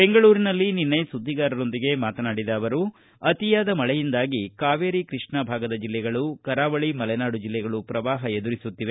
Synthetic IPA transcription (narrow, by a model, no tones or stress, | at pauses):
be̞ŋɡɐɭuːɾinɐlːininːɐjsud̪ʱːiɡaːɾɐɾo̞nd̪iɡe̞maːt̪ɐnaːɽid̪ɐːʋɐɾu | ɐt̪ijaːd̪ɐmɐɭɛjind̪aːɡikaːʋeːɾikɾiʂɳɐbʱaːɡɐd̪ɐd͡ʒilːɛɡɐɭukɐɾaːʋɐɭimɐlɛnaːɽud͡ʒilːɛɡɐɭupɾɐʋaːɦɐed̪uɾisut̪ːiʋe